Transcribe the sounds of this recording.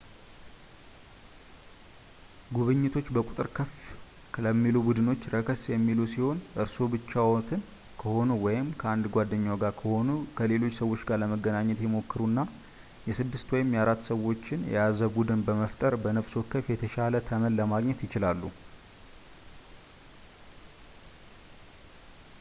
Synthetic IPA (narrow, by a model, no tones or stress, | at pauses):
ɡuβɨɲːɪt̪ʰo̞t͡ʃːbəkʼut̪ʼɨɾkʰəf | ləmːilubud̪ɨno̞t͡ʃːɾəkʰəsjɛmːilusiho̞nʔɨɾso̞bɨt͡ʃːawot̪ʰɨn | kʰəho̞nuwɔjɪmkʰəʔand̪ɡʷad̪ːəɲːaɡaɾkʰəhonukʰəle̞lo̞t͡ʃːsəwo̞t͡ʃːɡaɾləməɡːənaɲːɛt̪jɛmo̞kːɨɾunːa | jɛsɨd̪ːɨst̪wɔjɪmjaɾat̪ːsəwo̞t͡ʃːɪnjɛ̰jazəbud̪ɨnbəməft̪ʼəɾbənəβso̞kʰəfjɛt̪ʰəʃalət̪ʰəmənləmaɡɲɛt̪jɪt͡ʃɪlalːu